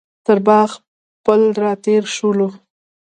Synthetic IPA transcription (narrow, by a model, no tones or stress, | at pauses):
t̪əɾbɑɣ | pəld̪ɾɑt̪eɾʃulo